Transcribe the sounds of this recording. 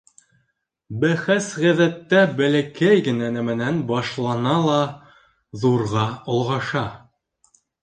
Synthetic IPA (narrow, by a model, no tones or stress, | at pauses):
bæχæsʁæðæt̪ːæbælækæjɡɘ̆nænæmɘ̆nænbɑʃlˠɑnɑlˠɑ | ðuɾʁɑŏlˠʁɑʃɑ